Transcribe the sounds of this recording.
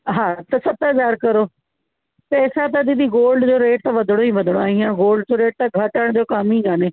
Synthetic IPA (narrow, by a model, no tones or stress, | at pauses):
ɦãːt̪ɐsət̪ɦəzaːɾkəɾoː | pɛːsaːt̪ɐd̪ɪd̪iːɡoːlɖd͡ʒoːɾeːʈ̚t̪aʋəd̪ʱɽ̃oːĩːʋəd̪ʱɽoaːĩːaːɡoːlɖd͡ʑoːɾeːʈ̚t̪aɡʱəʈəɽ̃d͡ʒoːkəmĩːɡaːneː